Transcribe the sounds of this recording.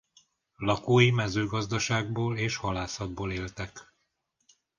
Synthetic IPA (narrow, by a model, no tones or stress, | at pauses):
lɒkoːjimɛzøːɡɒzd̪ɒʃaːɡ̚boːleːʃhɒlaːsɒd̪̚boːleːlt̪ɛk